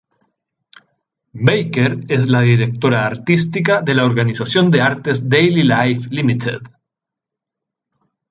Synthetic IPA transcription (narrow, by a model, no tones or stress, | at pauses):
bejkeɾezlaðiɾek̚t̪o̞ɾaːɾt̪is̬t̪ikaðe̞laoɾɣanisasjo̞nd̪eaɾt̪ezd̪ejlilajflimit̪ʰḛð